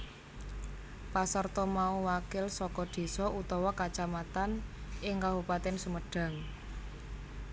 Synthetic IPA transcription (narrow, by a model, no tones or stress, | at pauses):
pasərt̪ɔmauwakɪlsɔkɔd̪̥e̤sɔut̪ɔwɔkat͡ʃamat̪anʔɪŋkabupat̪ɪnsəməɖ̥a̤ŋ